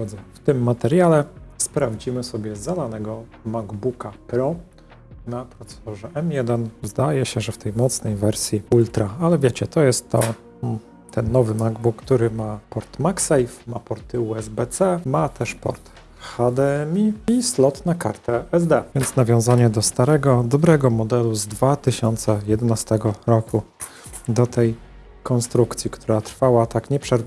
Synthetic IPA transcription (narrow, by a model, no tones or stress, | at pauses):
ɔd̪zɛft̪ɘmːat̪ɛɾʲjalɛspɾavd͡ʑimɘsɔbʲjɛzad̪anɛɡɔmaɡbukapɾɔ | napɾɔt̪sɛ̥sɔʐɛʔɛmjɛd̪ɛnzd̪ajɛɕɛʐɛft̪ɛjmɔt̪snɛjvɛɾsʲjiult̪ɾaalɛvʲjɛt͡ɕɛt̪ɔjɛst̪ːɔ | t̪ʰɛnːɔvɘmaɡbukːt̪uɾɘmapɔɾt̪maksajfmapɔɾt̪ɘuɛzbɛt̪sɛmat̪ʰɛʂpɔ̰ɾt̪ | xad̪ɛɛmʲiislɔt̪naka̰ɾt̪ɛɛzd̪ɛvjɛnt̪snavʲjɔ̃w̃zaɲɛd̪ɔst̪aɾɛɡɔd̪ɔbɾɛɡɔmɔd̪ɛluzd̪vat̪ɘɕɔnt̪sɛjɛd̪ɛnast̪ɛɡɔɾɔkʰu | d̪ɔt̪ʰɛj | kɔnst̪ɾukt̪sʲjikt̪ʰuɾat̪ɾfawat̪akɲɛpʂɛɾ